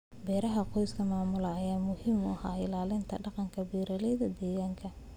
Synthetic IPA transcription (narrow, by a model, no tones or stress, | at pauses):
bɛːɾɐɦɐqɔjskʰɐmaːmʊlɐːjaːmʊhiːmʊ̰haːɪlaːlɪnt̪ʰɐ̰ɖɑqɑŋkʰɐbiːɾɐlɛjðɐd̪ɛːɣaːŋkʰɐ